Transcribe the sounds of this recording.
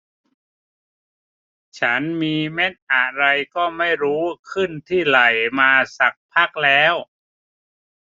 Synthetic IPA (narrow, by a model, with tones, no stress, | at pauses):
t͡ɕʰa˦˥nmiː˧me˦˥t̪̚ʔa˨˩ɾa˧jkɔː˥˩ma˥˩jɾuː˦˥kʰɯ˥˩nt̪ʰiː˥˩ɾa˨˩jmaː˧sa˨˩k̚pʰa˦˥˩k̚lɛː˦˥w